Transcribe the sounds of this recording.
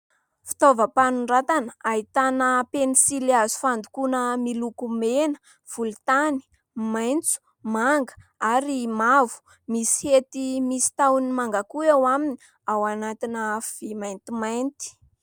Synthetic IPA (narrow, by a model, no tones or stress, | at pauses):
fi̥t̪ovəpanuɳɖ͡ʐat̪anəaɦit̪anəpenisilazu̥fand̪ukunəmilukumenə̥ | v̥ult̪ani̥ | majnt͡su̥ | maŋɡə̥aɾimavu̥ | misi̥het̪imisi̥t̪awnimaŋɡakuewamini | awanat̪inəv̥imajnt̪imajnt̪i̥